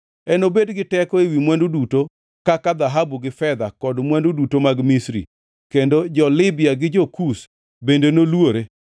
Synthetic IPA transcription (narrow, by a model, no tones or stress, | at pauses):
ɛnobedɡɪtɛkɔewimwanduduto | kakad̪aɦabuɡɪfɛd̪akɔdmwandudutomaɡmisɾḭ | kendod͡ʒɔlɪbɪjaɡɪd͡ʒokus | bendenolwoɾe